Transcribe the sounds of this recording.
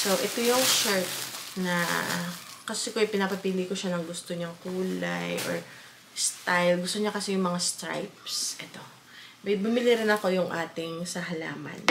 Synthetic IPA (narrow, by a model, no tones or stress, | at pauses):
sowʔɛt̪ojʊŋʃɛɹt̪̚nɐ | kɐsɛkoɐjpɪnapɐpiːlikoʃanɐŋɡʊst̪oɲɐŋkuːlajʔo̰ɹ | st̪ajlɡʊst̪oɲakɐsɛjʊŋmɐŋast̪ɹa̰jp̚sʔɛt̪o̞ | mɐjbʊmɪliɾɪnɐko̞jʊŋʔa̰ːt̪ɪŋsɐɦɐla̰ːmɐ̰n